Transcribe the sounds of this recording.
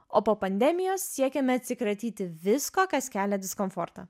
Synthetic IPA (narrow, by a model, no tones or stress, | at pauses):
oːpoːpɐnʲd̪ʲɛmʲɪjoːsːʲiɛkʲɛmʲɛɐt̪ʲsʲɪkɾɐt̪ʲiːt̪ʲɪʋʲɪskoːkɐskʲæːlʲɛd̪ʲɪskɔnfɔɾt̪ɐ